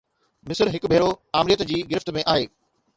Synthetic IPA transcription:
mɪsəɾɦɪkbʱeːɾoaːmɾijət̪d͡ʑiːɡɪɾɪft̪mẽʔaːɦeː

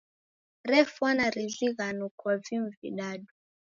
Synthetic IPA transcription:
ɾɛfwanaɾizʷiɣanukwɔvimvḭɗaɗu

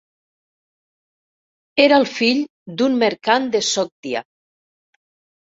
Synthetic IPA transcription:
eɾalˠfiʎ | d̪unmeɾkand̪əsɔk̚t̪ia̰

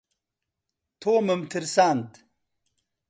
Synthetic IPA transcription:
t̪ʰoːməmt̪ʰiɾsand̪

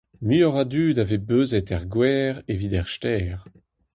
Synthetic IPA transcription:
myɔʁad̪yːd̪avebøːzɛt̪ɛʁɡwɛːʁevid̪ɛʁʃt̪ɛːʁ

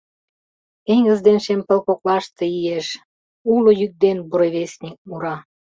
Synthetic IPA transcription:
keŋʲɡə̆zd̪enʃempə̆lkoklɑʃt̪e̽ijeʃ | ulojyk̚d̪enbuɾeβesʲnʲik̚muɾɑ

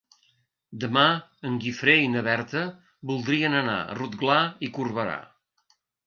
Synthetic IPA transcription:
d̪əmaəŋɡifɾeinəβɛrt̪ə | bulˠd̪ɾiənəna̰ə̰rut̪̚ɡlaikurβəɾa̰

